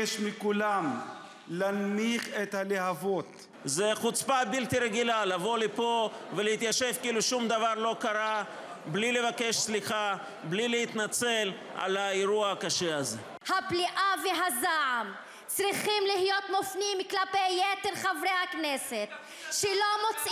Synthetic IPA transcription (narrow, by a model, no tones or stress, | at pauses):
ʃmikulam | lanniχet̪haleɦavot̪ | zeχut͡spabilt̪iɾeɡilalavo̞lipovelehit̪jaʃevkiiːluʃumd̪avaɾlo̞kaɾa | blile̞vake̞ʃsliχa | blilehit̪nat͡sel | ʔa̰laiɾuakaʃeaze | hapliʔaveɦazaʕam | t͡sʁiχimlihijo̞t̪mofnimːiklapejːet̪eɾχavɾejhakneset̪ | ʃelomot͡s